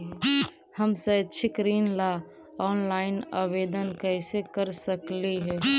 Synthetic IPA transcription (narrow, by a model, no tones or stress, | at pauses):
həmsəd̪t͡ʃʰɪkɾiːnla | ɔːnlaːɪna̰ʋeːd̪ənkɛɪsekəɾsəkliɦɛː